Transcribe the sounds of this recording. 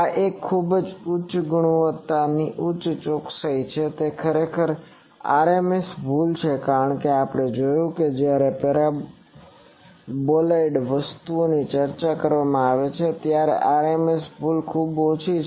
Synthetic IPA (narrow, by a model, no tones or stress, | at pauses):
aʔekʰːubd͡ʒʊt͡ʃɡuɽ̃uʋət̪ːaniʔʊt͡ʃʃt͡ʃoksəjt͡ʃʰet̪ekʰəɾekʰəɾ | a̰ɾemesbʱult͡ʃʰekaɾəɳkeapɽ̃ed͡ʒojũked͡ʒjaɾepeɾa | bolaiɖʋəst̪uonit͡ʃəɾt͡ʃakəɾʋamãaʋet͡ʃʰet̪jaɾḛʔaɾemesbʱulkʰubot͡ʃʰi